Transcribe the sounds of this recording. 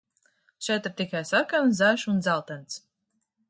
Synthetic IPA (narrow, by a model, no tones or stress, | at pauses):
t͡ʃɛt̪ɾt̪ikajsaɾkanzæːʃund̪zalˠt̪ɛnt̪s